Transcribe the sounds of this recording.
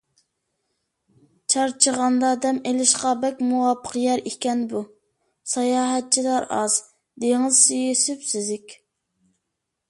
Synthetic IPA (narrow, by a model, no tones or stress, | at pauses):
t͡ʃʰɑɾt͡ʃʰəʁɑnd̪ɑd̪ɛmelɪʃqɑbɛkʲmuwɑːpʰə̥qjɛɾikʲɛnbu | sɑjɑːɦɛt̪̚t͡ʃʰilɑɾɑ̰z | d̪eŋɨzsyjisypsɪzɪkʲ